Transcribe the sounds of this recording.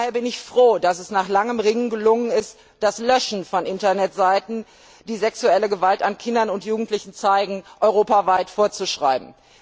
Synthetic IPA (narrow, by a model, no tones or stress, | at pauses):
heːɐbɪnɪçfʁ̥oːdasɛsnaːχlaŋəmʁɪŋɡəlʊŋənɪst | d̥aslœʃn̩fɔnʔɪntɐnɛtz̥aɪtn̩ | d̥iːzɛksuɛləɡəvaltankʰɪndɐnʊntjuːɡŋ̩tlɪçn̩t͡saɪɡŋ̩ʔɔʏʁ̞oːpavaɪtfoːɐt͡suʃʁ̥a̰ɪbm̩